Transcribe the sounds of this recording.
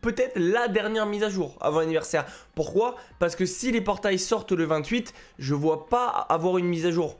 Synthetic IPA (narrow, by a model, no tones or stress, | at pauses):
pøt̪ɛt̪χlad̪ɛʁnjɛʁmizaʒuːʁa̰vɔ̃anivɛʁsɛʁpuʁkwapaʁsə̥kəsilepɔʁt̪ajsɔʁt̪ləvɛ̃t̪ɥit̪ | ʒəvwapa̰ːvwaʁynmizaʒuːʁ